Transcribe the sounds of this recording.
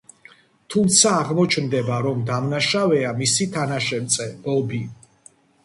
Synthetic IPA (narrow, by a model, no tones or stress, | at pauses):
t̪ʰumt̪sʰaːʁmɔt͡ʃʰnd̪ɛbaɾɔmd̪amnaʃavɛamisit̪ʰanaʃɛɾt̪sʼɛbɔbi